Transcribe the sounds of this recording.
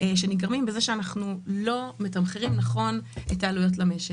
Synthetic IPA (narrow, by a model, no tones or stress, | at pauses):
ʃeniɡaʁmimbezeʃeanaχnulo̞metamχeʁimnaχo̞net̪ːaːlujo̞t̬lameʃe